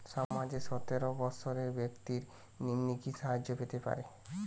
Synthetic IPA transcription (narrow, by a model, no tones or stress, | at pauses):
ʃamad͡ʑeʃɔt̪eɾobɔʃʰoɾeɾbekt̪iɾ | ninːikiʃaɦad͡ʑopet̪epa̰ɾe